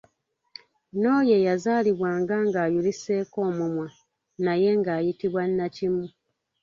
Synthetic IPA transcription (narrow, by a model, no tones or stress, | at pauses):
no̞ːje̞jazaːliβwaːŋɡaŋɡaːjulise̞ːko̞ːmumwa | naje̞ŋɡaːjitiβwanːacimu